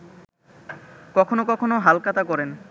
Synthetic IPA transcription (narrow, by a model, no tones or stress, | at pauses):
kɔkʰonokɔkʰonoɦalkat̪akɔɾen